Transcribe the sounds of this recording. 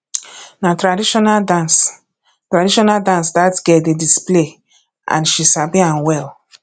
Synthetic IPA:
natɾadiʃɔnadans | tɾadiʃɔnaldãns̬datɡɛdedisple | ã̰nʃisabĩãnwɛl

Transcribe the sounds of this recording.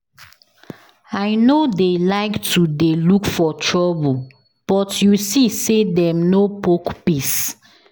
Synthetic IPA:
aɪnodelaɪktʰudelukfɔtʰɹɔbu | b̥ɔtjusisedɛ̃mnopokpis

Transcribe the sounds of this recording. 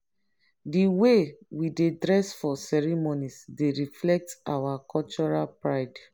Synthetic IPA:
diwewidedɹɛsfɔsɛɹimonisdeɹiflɛk̚ta̰wakʰɔlt͡ʃɔɹalpɹaɪd

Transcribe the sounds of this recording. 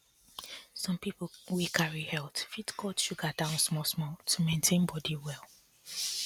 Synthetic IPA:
sɔ̃mpipl̩wikʰaɹihɛltfitkʰɔtʃuɡadãʊ̃nsmɔsmɔtʰumẽntʰẽnbɔdiwɛlˠ

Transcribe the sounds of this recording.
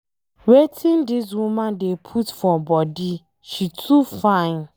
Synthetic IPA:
wetʰɪ̃ndɪs̬wũmãndepʰutfɔbɔdi | ʃitʰufãɪ̃n

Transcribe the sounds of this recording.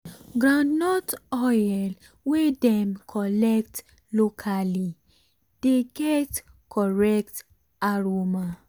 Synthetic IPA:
ɡɾãndnɔtɔjɛl | wedɛ̃mkʰɔlɛk̚t | lokʰali | d̥eɡɛt | kʰɔɹɛk̚t | aɾoma

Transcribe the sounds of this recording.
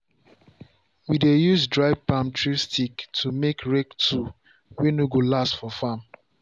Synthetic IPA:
widejusdɹaɪvpãmtʰɹistʰiktʰumekʰɹɛktʰu | wɛnuɡolastfɔfãm

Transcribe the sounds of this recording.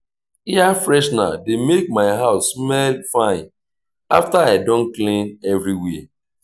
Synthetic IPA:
iafɹɛʃna̰demek̚maɪɦaʊsːmɛlfãɪ̃n | a̰ftaaɪdɔ̃nklẽnɛvɾiwe

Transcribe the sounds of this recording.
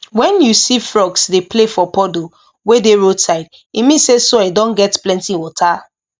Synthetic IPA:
wɛ̃njusifɹɔɡsdeplefɔpɔdo | wedeɹodsaɪd | imĩnsesoedɔ̃nɡɛtplɛ̃ntiwɔtʰa

